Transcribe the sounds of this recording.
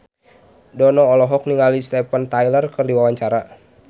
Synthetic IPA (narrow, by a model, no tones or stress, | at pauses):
dɔnɔːlɔɦɔk̚niŋalist̪ɛpənt̪ajlərkɨrdiwawaɲt͡ʃaɾa